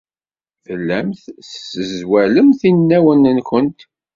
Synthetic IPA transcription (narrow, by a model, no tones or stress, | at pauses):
fəlːæmθθsəzwæləmθinːæwənənkʷənt̪